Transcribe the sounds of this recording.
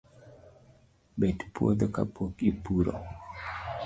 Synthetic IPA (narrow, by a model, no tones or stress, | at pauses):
bɛtpuo̰d̪ɔkapʰokipuɾɔ̰